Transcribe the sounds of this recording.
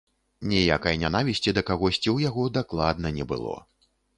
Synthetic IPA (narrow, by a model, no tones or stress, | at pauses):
nʲɛja̰kɐjnʲanavʲisʲt͡sʲid̪ɐkaɣɔsʲt͡sʲiwjaɣɔd̪aklˠad̪nɐnʲɛbɨ̰lˠɔ̰